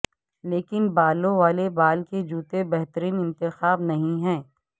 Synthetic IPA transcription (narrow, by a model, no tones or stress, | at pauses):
leːkɪnbaːlõʋaːlebaːlked͡ʒuːt̪ebɛɦt̪əɾiːnɪ̃nt̪ɪxaːbnɐɦĩɦɛ̃ː